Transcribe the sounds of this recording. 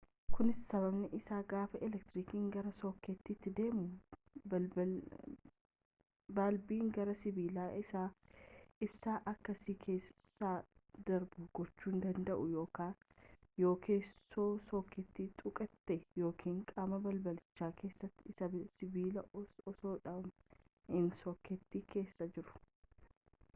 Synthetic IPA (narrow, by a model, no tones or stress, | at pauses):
kʊnɪsːɐβɐbnɛʔɪsaːɡaːfɐʔɪlɛk̚t̪ɾiːkiːŋɡɐɾɐso̞ːkːɛt̪ːɪt̪ːɪd̪e̞ːmʊbɐ | baːlbiːŋɡɐɾɐsɪbiːlaːʔɪsaː | ɪbsaːʔɐkːɐsikʰe̞ːsaːd̪ɐɾbʊɡ̥ɔt͡ʃːuːnd̪ɐnd̪ɐʔʊjo̞ːkaː | jo̞ːkʰeːsoːsoːkːɛt̪ːiːt̪ʼʊkʼɐt̪ːɛjo̞ːkʰiːŋkʼaːmɐbɐlbɐlɪt͡ʃːaːkʰe̞ːsːɐt̪ːɪsɐsɪbiːlɐɔsoːᶑaːm | hɪnsoːkːɛt̪ːiːke̞ːsːɐd͡ʒɪɾʊ̥